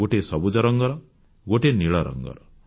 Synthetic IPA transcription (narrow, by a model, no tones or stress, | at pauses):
oʈesɔbud͡ʒɔɾɔŋɡɔɾɔ | ɡoʈeniɭɔɾɔ̰ŋɡɔ̰ɾɔ